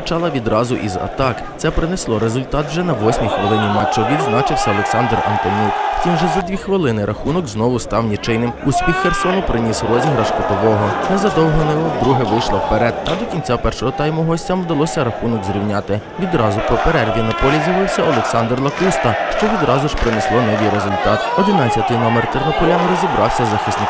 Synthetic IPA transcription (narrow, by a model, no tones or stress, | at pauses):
ɐt͡ʃɑlˠɐʋʲid̪ɾɑzʊ̰ʔizɐ̰t̪ɑk | t̪ɛpɾɪnɛslˠɔɾezʊlʲt̪ɑt̪wʒɛnɐʋɔsʲmʲixʋelˠɪnʲimɑt͡ʃːɔʋʲid̪znɑt͡ʃɪwsʲɐɔlˠeksɑnd̪rɐ̰nt̪ɔnʲuwwt̪ʲimʒɛzɐd̪ʲʋʲixʋɪlˠɪnɪɾɐxunɔɡznɔʋʊst̪ɑwnʲit͡ʃɪjnɪmusʲpʲixːersɔnʊpɾɪnʲisrɔzʲiɦɾɐʃkɔt̪ɔʋɔɦɔnɛzɐd̪ɔwɦɔnɪʋɔd̪ɾuɦɛʋɪjʃlˠɐwpeɾɛd̪̚ɐd̪ɔkʲinʲt͡sʲapɛrʃɔɦɔt̪ɑjmʊɦɔsʲtʲɐmwd̪ɐlˠɔsʲɐɾɐxunɔkzɾʲiwnʲat̪ɪ | ʋʲid̪ɾɑzʊpɔpeɾɛrʲʋʲinɐpɔlʲizʲjɐʋɪwsʲɐɔlˠeksɑnd̪rlˠɐkust̪ɐʃt͡ʃɔʋʲid̪ɾɑzʊʒ̥pɾɪneslˠɔnɔʋʲijɾezʊlʲt̪ɑt̪ɔd̪ɪnɑt͡sʲːɐt̪ɪjnɔmert̪ernɔpɔɾʲanʊɾɔzʲibɾɑwsʲɐzɐxɪsnɪ